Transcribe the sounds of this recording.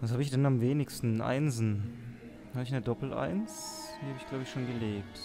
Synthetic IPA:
vas̬haːbəɪçd̥ɛnamveːnɪçstn̩ʔa̰ɪnzn̩ | haːbɪç̬nədɔpl̩ʔa̰ɪnsd̥iːhabəɪçɡ̥laʊbəɪçʃoːnɡəleːp̚t

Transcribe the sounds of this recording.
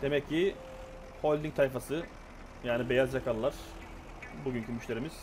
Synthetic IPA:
d̪̥emɛcʰːi | holʲd̪iŋ̚t̪ʰajfasɯ | jaːnibe̞jazd͡ʒakʰalˠːaɾ̥ | buɟyncʰymyʃlʲe̞ɾimiz̥

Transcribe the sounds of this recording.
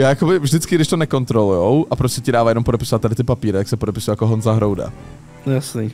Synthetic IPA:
jaːjakobɪvʒdɪt͡skɪɡdɪʃt̪onɛko̞nt̪ɾo̞lujowʔapɾo̞scɛcɪdaːvajɛnompo̞dɛpɪsovat̪̚ːadɪt̪ɪpapiːɾɪt̪aksɛpodɛpɪsujjakoɦonzaɦɾowda̰ | jasniː

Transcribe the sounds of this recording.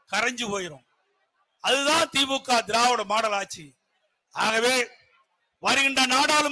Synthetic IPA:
kɐɾɐɲd͡ʒɯpoːjɪɾõm | ɐðɯt̪ãːt̪iːbukːaːd̪ɪɾaːʋɔɽɐmaːɽɐlaːt͡ʃːi | aːɣɐʋeː | ʋɐɾɯɣɪɳɖrɐnaːɽaːlɯ

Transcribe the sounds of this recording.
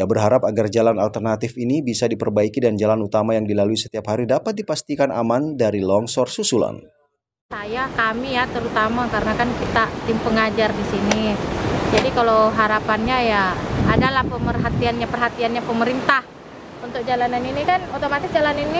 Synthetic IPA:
jabərɦaɾapaɡard͡ʒalanalt̪ərnat̪ifinibisadipərbaikidand͡ʒalanut̪amajaŋdilaluisə̥t̪iapɦaɾidapat̪̚dipast̪ikana̰mandaɾilɔŋsɔrsusula̰n | sajakamijat̪əɾut̪amakaɾənakankit̪at̪impəŋad͡ʒardisinid͡ʒadikalawɦaɾapanɲajaːdalahpəmərɦat̪ianɲapərɦat̪ianɲapəməɾint̪ah | unt̪ʊk̚d͡ʒalananinikanot̪omat̪ɪsd͡ʒalanini

